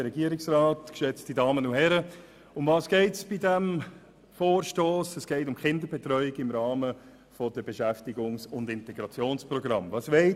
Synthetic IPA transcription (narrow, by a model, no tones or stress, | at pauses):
əɾɛɡiəɾɪksɾaːtkʃɛt͡stidɑːmənʊhɛɾə | ʊmvɑːsɡ̥eɪtsb̥idɛm | foːɾʃtoːsɛsɡ̥ɛɪtʊmχɪndəɾbɛtɾœʏɪɡɪmɾɑːmə | fɔd̥əbeʃæftɪɡʊŋsʊndɪntɛɡ̥ɾɑt͡sjoːnspɾɔɡɾɑmvɑːsʋɛɪ